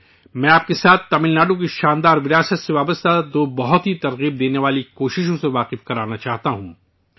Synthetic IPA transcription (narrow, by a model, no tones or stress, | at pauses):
mɛ̃aːp̚kesaːt̪ʰːɐmɪlnaːɖok̬iʃaːnd̪aːɾʋɪɾaːsət̪seʋaːbəst̪ad̪oːbɐɦʊt̪ɦit̪ɐɾɣiːb̚d̪eːneʋaːlikoːʃɪʃ̬õseʋaːqɪfkɐɾaːnat͡ʃaːɦt̪aɦũ